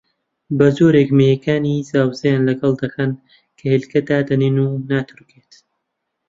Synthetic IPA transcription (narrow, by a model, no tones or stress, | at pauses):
bɐzoːɾekmejekʰaːnizaːwzɐjaːnlɐɡɐlˠd̪ɐxɐn | kʰɐhilkɐd̪aːd̪ɐninunaːt̪ʰɨɾkeːt̪